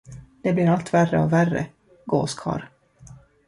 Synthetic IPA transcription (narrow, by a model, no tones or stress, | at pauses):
d̪̥ɛblɪɾalt̪værːəɔværə̰ | ɡoːskʰɑ̰ːɾ